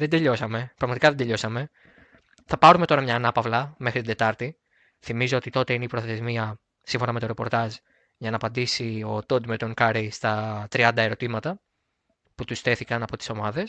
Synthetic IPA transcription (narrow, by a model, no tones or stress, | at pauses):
ðed̪e̞ʎo̞sɐme̞pɾɐɣmɐt̪ikɐðe̞d̪e̞ʎo̞sɐme̞ | θɐpɐɾume̞t̪o̞ɾɐmɲɐːnɐpɐvlɐmexɾit̪ind̪e̞t̪ɐɾt̪i | θimizo̞ot̪it̪o̞t̪e̞ineipɾo̞θe̞zmiɐ | siɱfo̞nɐme̞t̪o̞ɾe̞po̞ɾt̪ɐz | ʝɐnɐːpɐnd̪isio̞t̪od̪met̪oŋkɐɾist̪ɐt̪ɾiɐnd̪ɐe̞ɾo̞t̪imɐt̪ɐ | put̪ust̪e̞θikɐnɐpo̞t̪i̥so̞mɐðe̞s